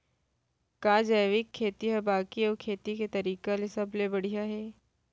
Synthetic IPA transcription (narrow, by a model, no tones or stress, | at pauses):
kaːd͡ʒɐjʋɪkʰːeːt̪iɦɛbaːkiɔːkʰeːt̪iket̪ɐɾiːkalesɐblebɐɽ̤ijaɦɛː